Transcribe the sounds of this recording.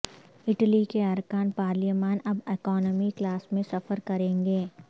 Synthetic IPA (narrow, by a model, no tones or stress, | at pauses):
ɪʈlikeɐɾkaːnpaːɾlimaːnɐbeːkɔːnəmiklaːsmẽsɐfəɾkɐɾẽːŋɡeː